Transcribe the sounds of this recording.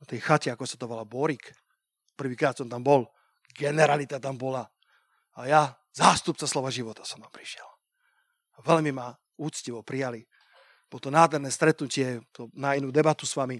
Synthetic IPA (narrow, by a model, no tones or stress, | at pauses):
t̪ɛjxacɛakɔnʃt̪at̪ɔʋalabɔɾik | pr̩ʋiːkɾaːt̪sɔmt̪ambɔl | ɡɛnɛɾalit̪at̪ambɔla | aja | zaːst̪upt͡saslɔʋaʒiʋɔt̪ḁsɔmt̪ampɾi̥ʃɪɛl | aʋɛlmima | uːt͡sciʋɔpɾijali | b̥ɔlɔt̪ɔnaːd̪ʱɦɛɾnɛːst̪ɾɛt̪nucɪɛt̪ɔnainuːd̪ɛbat̪usʋami